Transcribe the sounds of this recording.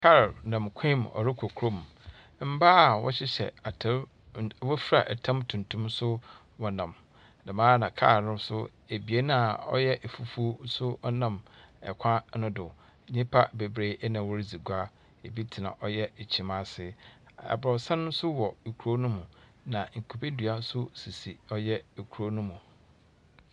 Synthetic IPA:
kʰa˦ɾnã˨mkʷʰɪ̃˦m˨ɔ̰˨ɾɪ˦kʷʰo˨kʰɾo˦m˨ | m̩˦ba˦˨wɔ̰˦ɕɪ˦ɕɛ̰˨a˨tʰɾ | wɔ˦fɾa˨ʔɛ˨tʰã˦mtʰũ˨ntʰũ˦msʊ˦ | wɔ˨nã˨m | dã˨mãː˦nã˨kʰa̰˦˨ɾnʊ̃˦sʊ˦ | e˨bi˨e˦nã˦ɔ̰˦jɛ˦ʔe˨fu˨fu˦sʊ˦ɔ˦nã˨mɛ̰˨kʷʰã˦nʊ̃˦dʊ˨ | ɲĩ˦pʰa˦be˨bɾe˨˦ʔɛ˦nã˨wɔ˦ɾd͡zi˨ɡʷa˦ | e˨bi˦tʰi˨nã̰˨ʔɔ˦jɛ˦˨t͡ɕʰĩ˨ma˦sɪ˦ɛ̰˨bɔ˨sã˦nʊ̃˦sʊ˦wɔ˨kʰu˨o˦nʊ̃˦mʊ̃˨ | nã˨ŋ̩˨kʰu˨pe˦dɥa˦sʊ˦si˨si˨ɔ˦jɛ˦e˨kʰu˨ɾo˦nʊ̃˦mũ˨

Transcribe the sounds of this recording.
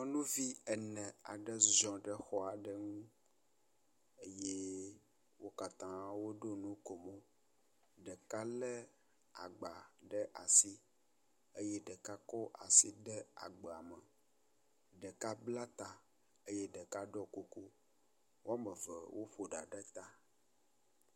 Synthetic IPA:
mɔ̃˦nũ˦vi˦ɛ˨nɛ̃˨a̰˨ɖɛ˦zɔ̃˨ɖə˦xɔ˦a˨ɖɛ˦ŋũ˦ | e˦je˦ | wo˦ka˨t̪ã˦wo˦ɖo˦nũ˦ko˨mɔ̃˦ | ɖɛ˨ka˦lɛ˦ | a̰˨ɡ͡ba˨ɖɛ˦ʔa˨si˦ | e˦je˦ɖɛ˨ka˦kɔ˦ʔa̰˨si˦ɖɛ˦a˨ɡ͡bɛ˨a˨mə˨ | ɖɛ˨ka˦bla˦t̪a˨ | e˦jɛ˦ɖɛ˨ka˦ɖɔ˦ko˨ku˦ | wo˦a˦mə̃˨vɛ˨wʔo˦ɸo˨ɖa˨ɖɛ˦t̪a˦

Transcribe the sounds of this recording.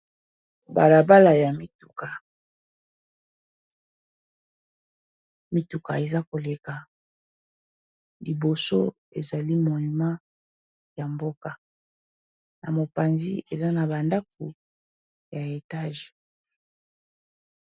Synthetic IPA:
ba̰˨la˨ba˦la˨ja˨mi˨tu̥˨ka˨ | mi˨tu˨ka̰˨e˨za˦ko˨le˨ka˨ | li˨bo˨so̰˦ | ḛ˨za˨li˦mo˨i˨mã˦ | ja˨mbo˦ka˨ | na̰˨mo˨pa˨nzi˦e˨za˦na˨ba˨nda˦k̚u˨ | ja˨e˨ta˦ʒe̥˨

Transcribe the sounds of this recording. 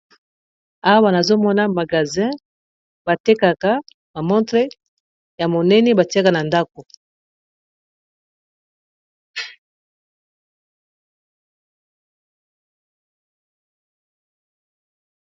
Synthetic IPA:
a˦wa˦na˨zo˦mɔ˦na˦ma˨ɡa˨zɛ̃˦ | ba˨te˦ka˨ka˦ | ma˨mɔ̃˦tʁe˦ | ja˨mo˨nɛ˦nɛ˦ba˨ti˦a˦ka˨na˨nda˦ko˨

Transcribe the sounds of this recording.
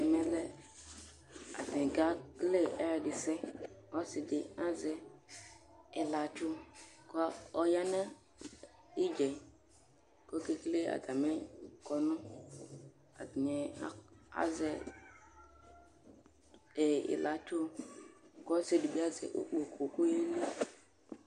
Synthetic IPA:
ɛ˨mɛ˦lɛ˦ | a̰˨dĩ˨ɡa˦ɡ̥le˦ɛ˦ɾdi˨sɛ˦ɔ˦si˨di˨a˦zɛ˨ | i˨la˨t͡ʃu˦kɔ˦ɔ˦ja˦na˦ | i˦d͡ʒe˨ | ko˦ke˦ɡle˦a̰˨da˨me˦kɔ˨nu˦ | a̰˨di˨ɲɛ˨˦a̰˦zɛ˦ | e˨ḭ˨la˨tu˦ | kɔ˦si˨di˨bi˦a˦zɛ̰˨ʔṵ˦k͡po˨kʰo˨ku˦je˦li˦

